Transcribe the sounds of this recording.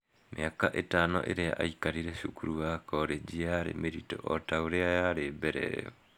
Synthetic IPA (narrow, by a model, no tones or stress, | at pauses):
mḛakaʔetanɔ̰ʔeɾeaʔaikaɾiɾɛʃukuɾuwakɔɾed͡ʒiaɾḛmeɾito̰ʔɔtaoɾeajaɾebɛɾɛ̰jɔ